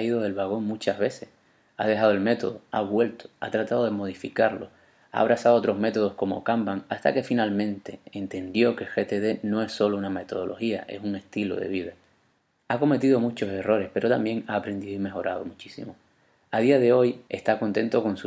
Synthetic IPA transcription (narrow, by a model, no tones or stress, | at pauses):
iðo̞ðe̞lβaɣ̞o̞ŋmut͡ʃaɦβe̞se̞s | aðe̞ɦað̞oe̞lme̞t̪o̞ðoaβwe̞lt̪o̥a̰t̪ɾat̪aðoð̞emo̞ð̞ifikaɾlo̞ | a̰ːβ̞ɾasaðot̪ɾo̞ɦme̞t̪o̞ð̞o̞hko̞mo̞̰kambaŋast̪a̰ke̞finalmẽ̞nt̪e̞ent̪e̞nd̪jo̞ke̞xe̞t̪e̞ðe̞nõ̞e̞sːo̞louname̞t̪o̞ð̞o̞lʔo̞xiaʔe̞̰suŋe̞st̪ilo̞̰ðe̞̰β̞iða | ako̞me̞t̪iðo̞mut͡ʃo̞se̞ro̞ɾe̞hpe̞ɾo̞t̪ambje̞ŋaːpɾe̞nd̪iðoime̞xo̞ɾʔað̞o̞mut͡ʃisḭmo | að̞iað̞e̞o̞je̞st̪ako̞nt̪ẽ̞̰nt̪o̞ko̞nsu